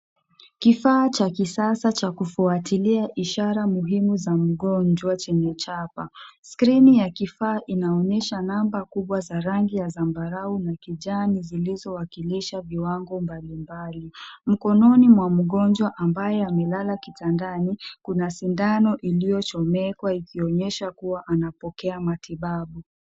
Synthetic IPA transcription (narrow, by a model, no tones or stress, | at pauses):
kifaːt͡ʃakisasat͡ʃakufuatiliaʔiʃaɾamuɦimuzam̩ɠɔnd͡ʒwat͡ʃɛɲɛt͡ʃapaskɾinijakifaːʔinaɔɲɛʃanambakuɓwazaɾaŋɡijazambaɾaunakiʄanizilizɔwakiliʃaviwaŋɡɔmbalimbalim̩kɔnɔnimwam̩ɠɔnd͡ʒwaʔambajɛamɛlalakitandanikunasindanɔʔilijɔt͡ʃɔmɛkwaikiɔɲɛʃakuwaʔanapɔkɛamatiɓaɓu